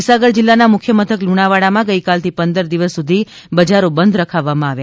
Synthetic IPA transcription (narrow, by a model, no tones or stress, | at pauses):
saɡəɽd͡ʒɪlːanamʊkʰjəmət̪ʰəkluɽ̃aʋaɽamãɡəikalt̪ʰipənd̪əɾd̪iʋəsːud̪ʱi | bəd͡ʒaɾobənd̪ʱɾəkʰaʋːamãaʋja